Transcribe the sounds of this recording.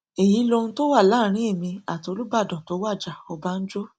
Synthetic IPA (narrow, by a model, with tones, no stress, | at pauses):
e˨ji˨˦lo˧nũ˦to˦wa˦˨laː˦˨˦ɾ̃ĩ˦e˦˨mĩ˧a˨to˧lu˦ba˦˨dɔ̃˨to˨˦wa˦˨d͡ʒa˨ɔ˧ba˦n̩˦d͡ʒo˦